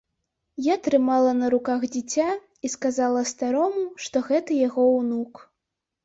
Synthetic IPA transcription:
jat̪ɾɨmalˠɐnɐɾukaɣd͡zʲit͡sʲa | iskazalˠɐst̪aɾɔmuʂt̪ɔɣɛt̪ɐjaɣɔwnuk

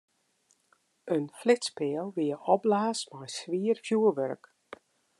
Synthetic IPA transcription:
ənflɪtspɪːəlˠʋiəʔɔblaːsmajsʋiərfjuəʋøɾk

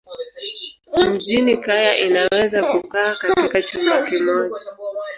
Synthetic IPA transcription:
m̩ʄinikajaʔinawɛzakukaːkatikat͡ʃumakimɔʄa

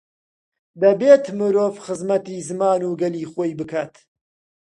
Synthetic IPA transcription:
d̪ɐbeːt̪mɨɾoːvxɨzmɐt̪iːzɨmaːnuːɡɐliːxoːjbɨkʰaːt̪

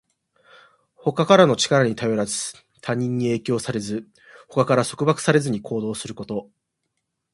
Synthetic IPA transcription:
ho̞kakaɾano̞t͡ɕi̥kaɾaɲ̟it̪ajo̞ɾazɨ̥ | t̪ʰaɲ̟ːĩɲ̟ːie̞ːkʲo̞ːsaɾe̞zɨ | ho̞kakaɾaso̞kɯ̟bakɯ̟̥saɾe̞zɨɲ̟ikʰo̞ːd̪o̞ːsɨɾɯ̟ko̞t̪o̞

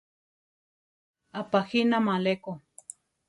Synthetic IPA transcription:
apaxinamãleko

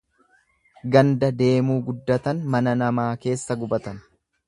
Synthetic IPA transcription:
ɡɐnd̪ɐd̪e̞ːmuːɡʊd̪ːɐt̪ɐnmɐnɐnɐmaːke̞ːsːɐɡʊbɐt̪ɐn

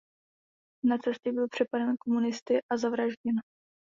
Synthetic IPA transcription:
nat͡sɛsc̪ɛbɪlpr̝̥ɛpadɛnkomunɪst̪ɪʔazavɾaʒɟɛn

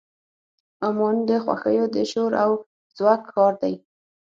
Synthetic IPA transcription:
ʊmond̪əxwa̰xə̰jod̪əʃoɾaw | zwɑkxɑɾd̪aj

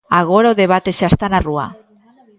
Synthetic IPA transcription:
aɣoɾoðeβat̪esast̪anarua̰

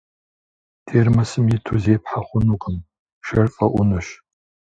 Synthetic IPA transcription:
tʰeːrmɐsɨmjɪtʰuzeːpħaχʷʊnuqʼəm | ʃɐrqʼɐʔʷʊnɨɕ

